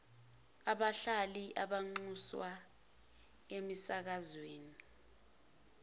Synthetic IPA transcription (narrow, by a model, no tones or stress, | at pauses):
aɓaɬaliʔaɓaŋ͡ǀuswa | emisak̬azweːni